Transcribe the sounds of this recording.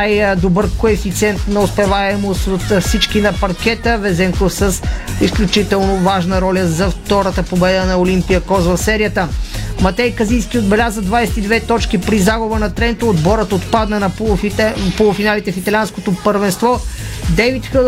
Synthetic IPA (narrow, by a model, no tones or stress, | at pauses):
ajd̪obəɾkoɛfit̪sʲiɛnt̪nɐospɛvaɛmosot̪fsit͡ʃkinɐpɐɾk̟ɛt̪əvɛzɛŋkosəsisklʲut͡ʃit̪ɛlˠnovaʒnəɾɔlʲəzɐft̪ɔɾət̪əpobɛd̪ənɐolimpijəkɔzvɐfsɛɾijət̪əmɐt̪ɛjkɐzijskʲiod̪bɛlʲazəd̪vajsɛ̥t̪id̪vɛt̪ɔt͡ʃkipɾizaɡʊbənɐt̪ɾɛnt̪əod̪bɔɾət̪ot̪pad̪nənɐpopolˠʊfinalit̪ɛfit̪ɐlʲianskot̪opəɾvɛnst̪vɔd̪ɛvit̪xə